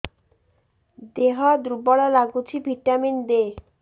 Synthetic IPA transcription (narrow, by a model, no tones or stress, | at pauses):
d̪eɦɔd̪ɾubɔɽalaɡut͡ɕʰibʱiʈːamind̪e